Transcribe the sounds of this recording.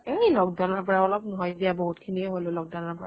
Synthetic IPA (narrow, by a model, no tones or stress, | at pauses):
ejlɔɡ̚dɔnɔɹpɔɹaɔlɔp̚mɔɦɔjzijabɔɦutkʰiniɛɦololɔɡ̚dɔnɔɹpɔɹa̰